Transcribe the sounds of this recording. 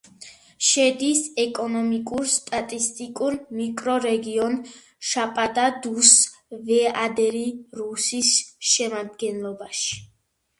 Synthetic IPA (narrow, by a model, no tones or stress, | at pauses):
ʃɛd̪isɛkʼɔnɔmikʼuɾst̪ʼat̪ʼist̪ʼikʼuɾmikʼɾɔɾɛɡiɔn | ʃapʼad̪ad̪usvɛad̪ɛɾiɾusisʃɛmad̪ɡɛnlˠɔbaʃi̥